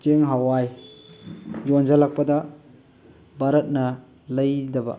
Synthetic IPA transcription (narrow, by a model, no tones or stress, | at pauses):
t͡ʃeŋɦawaj | jond͡ʒɐlak̚pɐdɐ | baɾɐt̚nɐ | lɐjdɐbɐ̰